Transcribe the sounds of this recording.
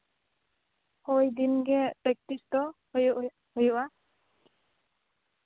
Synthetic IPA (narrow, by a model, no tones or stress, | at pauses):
hojd̪inɡɛtɛk̚tistɔ | j | hojwa